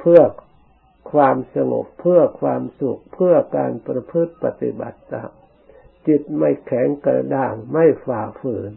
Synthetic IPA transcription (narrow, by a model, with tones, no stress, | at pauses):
pʰɯ˥˩ɐ | kʰwaː˧msa˧ŋo̰˨˩pʰːɯ˥˩ɐkʰwaː˧msu˨˩k̚pʰɯ˥˩ɐkaː˧npɾa˧pʰɯ˦˥˩t̪̚pa˧˩t̪ḭ˧ba̰˨˩t̪̚ːa˧˩ | t͡ɕi˨˧˩t̪̚ma˥˩jkʰɛ˩˦ŋkaː˧˩daː˧˩ŋma˥˩jfaː˨˩fɯː˨˦n